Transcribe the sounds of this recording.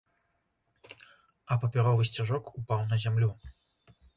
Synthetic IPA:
ɐpɐpʲaɾɔvɨsʲt͡sʲaʐɔkupawnɐzʲamlʲu

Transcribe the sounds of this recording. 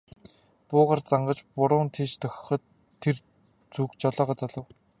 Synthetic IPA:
pʊːʁaːrt͡saɴɢə̆t͡ɕpʊɾʊːnt̪ʰeːt͡ɕt̪ʰœxʲɪ̥̆χɞ̆t̪ʰː | er | t͡sukt͡ɕɔɮɔːʁɔːt͡sɔɮɞ̆w

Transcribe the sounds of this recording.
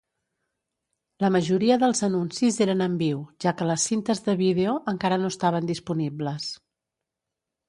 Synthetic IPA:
ləməʒuɾiəðəlˠzənunsizeɾənəmbiwʒ̥akələsːint̪əzðəβiðeoʔəŋkaɾənoəst̪aβ̞ənd̪ispunibləs

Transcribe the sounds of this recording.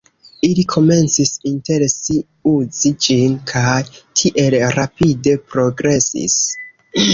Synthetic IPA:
ilikʰo̞me̞nt͡sisinte̞ɾsi | uzid͡ʒinkʰajtʰiʔe̞lɾapide̞pɾo̞ɡɾe̞sḭs

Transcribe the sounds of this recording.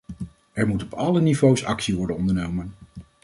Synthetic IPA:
ɛɹmutɔpɑlənivowsɑ̰ksiʋɔɹdənɔndəɹnowmən

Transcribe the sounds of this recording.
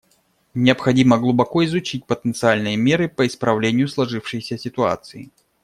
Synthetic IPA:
nʲɪəpxɐdʲiməɡlˠʊbɐkoɪzʊt͡ɕit̚ʲpət̪ənt̪sɨalʲnɨjəmʲe̞ɾɨpəɪspɾɐvlʲenʲɪjʊslˠɐʐɨfʂɨjsʲəsʲɪt̪ʊa̰t̪sɨɪ

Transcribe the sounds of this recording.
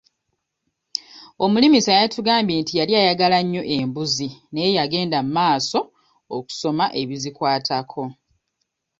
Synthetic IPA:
o̞mulimisajaituɡaːmbjeːntijaljaːjaɡalaɲːo̞ʔe̞mbuzinejejaɡe̞ːndamumaːso̞ | oku̥so̞maʔe̞βizikwaːtʰakʰo̞

